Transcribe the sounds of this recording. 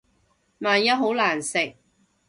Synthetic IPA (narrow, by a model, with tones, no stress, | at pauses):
maː˨njɐ˥t̚ɦo˨˥wlaː˨˩nsɪ˨k̚